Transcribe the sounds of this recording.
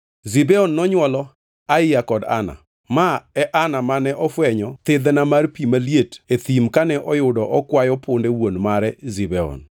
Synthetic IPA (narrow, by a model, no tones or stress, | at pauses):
zibɛɔnːɔɲwɔlɔ | aɪjakɔda̰na̰ | maɛʔanamanɛʔɔfwɛɲɔt̪ɪd̪namarpimalijetet̪imkanɛʔɔjʊdɔʔɔkwajɔpʊndewonmaɾɛzibɛɔ̰n